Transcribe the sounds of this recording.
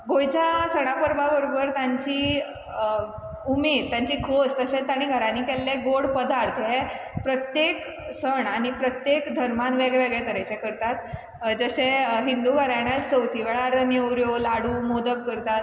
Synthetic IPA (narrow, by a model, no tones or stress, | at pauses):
ɡʱojt͡ɕasəɽ̃apəɾbabəɾobəɾt̪jãɲt͡ɕiː | umed̪t̪jãɲt͡ɕiːkʰost̪əsẽt̪aɽ̃iɡʱəɾaniːkɛlːeɡoɽpəd̪ʱaɾt̪ɦe | pɾət̪jek | səɳaɽ̃ipɾət̪jekd̪ʱəɾmanʋeɡʋeɡɭet̪əɾat͡ɕekəɾt̪at̪ | d͡zəseɦind̪uɡʱəɾaɽ̃at͡st͡səwt̪ʰiʋeɭaɾənjewɾjolaɽuːmod̪əkːəɾt̪at̪